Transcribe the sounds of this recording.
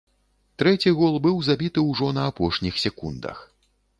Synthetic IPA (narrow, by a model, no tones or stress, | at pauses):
t̪ɾɛt͡sʲiɣɔlˠbɨwzabʲit̪ɨwʐɔnɐapɔʂnʲixsʲɛkund̪ɐ̰x